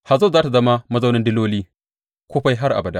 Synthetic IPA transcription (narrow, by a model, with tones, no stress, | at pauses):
ha˨zoː˦˨zaː˦ta˨zɐ˦ma˦mɐ˦zɐ˦wnɪ˦ndɪ˦loː˦liː˦ | kʷoː˦ɸa˦jɦa˦rʔa̰˨bɐ˨da˦